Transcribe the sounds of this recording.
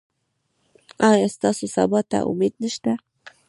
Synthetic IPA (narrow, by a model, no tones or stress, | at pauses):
ʔɑjɑst̪ɑsosɑ̰bɑt̪a̰ʔʊ̰med̪̚nəʃt̪a